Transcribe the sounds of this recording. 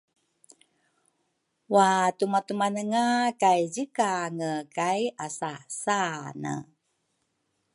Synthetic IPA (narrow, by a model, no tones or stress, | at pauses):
watumat̪umanəŋakajzikaŋəkajasasanə̰